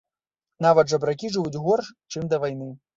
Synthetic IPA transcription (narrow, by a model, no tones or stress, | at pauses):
navɐd̪ʐɐbɾakʲiʐɨvud͡zʲɣɔrʂt͡ʂɨmd̪ɐvajn̪ɨ